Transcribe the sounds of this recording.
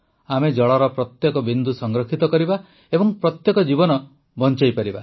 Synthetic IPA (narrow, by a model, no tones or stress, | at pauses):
amed͡ʒɔɭɔɾɔpɾɔt̪jɔkɔbind̪ʱusɔŋɡɾɔkʰit̪ɔkɔɾiba | ebɔŋpɾɔt̪jɔkɔd͡ʒibɔnɔ | bɔnt͡ʃajpaɾiba